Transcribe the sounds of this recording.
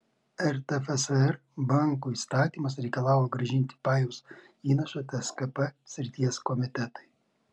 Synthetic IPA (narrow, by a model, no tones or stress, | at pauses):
ɛɾt̪ʲɛfɛsɛɾ | bɑˑŋkuːiːˑst̪ɑːt̪ʲiːmɐs̬ɾʲɛɪkɐlˠɑːʊjoɡɾɐʒʲɪnʲt̪ʲɪ̥pɑːjuʊs | iːnɐʃɐt̪ʲɛɛskɐpɛsʲɾʲɪt̪ʲiɛskɔmʲɪt̪ʲɛt̪ɐɪ